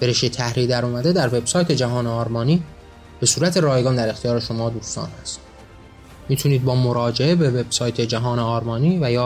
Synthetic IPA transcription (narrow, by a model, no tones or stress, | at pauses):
b̥eɾeʃet̪ʰæhɾid̪æɾuːmæd̪e̞d̪æɾve̞bsɒːjt̪ʰe̞d͡ʒæɦɒːneɒːɾmɒːniː | b̥e̞suːɾæt̪ʰe̞ɾɒːjɡɒːnd̪æɾe̞xt̪ʰijɒːɾe̞ʃo̞mɒːd̪uːst̪ɒ̰ːnhæst̪ | miːt̪ʰuniːd̪̚bɒːmoɾɒːd͡ʒeʔe̞be̞ve̞b̥sɒːjt̪ʰe̞d͡ʒæɦɒːneɒːɾmɒːniːvæjɒː